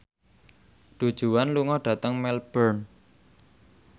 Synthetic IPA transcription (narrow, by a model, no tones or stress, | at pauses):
ɖ̥ṳd̥ʒ̥ṳwanluŋɔɖ̥ä̤t̪əŋmɛlb̥ərn